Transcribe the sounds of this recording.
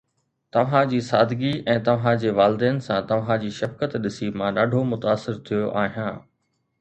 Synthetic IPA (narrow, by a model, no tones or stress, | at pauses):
t̪ɐʋ̤ãd͡ʑiːsaːd̪ʱɡiʔɛ̃ːt̪ɐʋ̤ãd͡ʑeːʋaːlɪd̪ɛːnɪ̆sãt̪ɐʋ̤ãd͡ʑiːʃɐfkət̪ɗɪsimãɗaːɖʱomʊt̪aːsːɪɾt̪ʰijoʔaːɦijãː